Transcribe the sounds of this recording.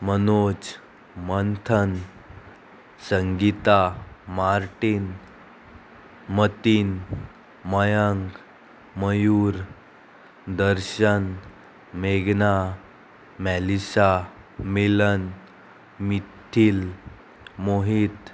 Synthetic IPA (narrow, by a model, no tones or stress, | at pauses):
mənot͡s | mənt̪ʰən | səŋɡit̪amaɾʈin | mət̪in | məjəŋɡ | məjuɾ | d̪əɾɕən | meɡna | mælisa | milən | mit̪ʰiːl | moɦit̪